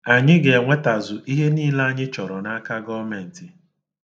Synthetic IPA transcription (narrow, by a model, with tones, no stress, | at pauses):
a˨ɲɪ˦ɡe˨ŋʷe˦ta˨zʊ˨ʔi˦ɦe˦niː˦la˦a˦ɲɪ˦t͡ʃɔ˨ɾɔ˨na˦ka˦ɡɔ˦me˨n̩˨ti˨